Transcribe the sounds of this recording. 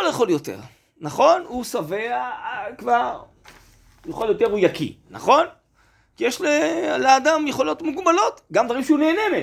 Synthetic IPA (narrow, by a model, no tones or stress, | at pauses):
oljeχoljot̪ḛʁ | naχo̞nusaveakvaʁ | jeχoljo̞te̞ʁujakḭna̰χo̞n | kijeʃleleadamjeχo̞lo̞t̪muɡbalo̞t̪ɡamd̪vaʁimʃeuneːneme